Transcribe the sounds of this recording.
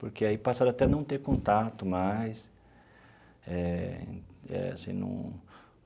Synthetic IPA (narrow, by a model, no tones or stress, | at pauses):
poɾkeaipasaɾat̪ɛnɐ̃w̃t̪eɾkõnt̪at̪ʊmajs | ɛ̃ | ɛ̰a̰sĩnɐ̰̃w̃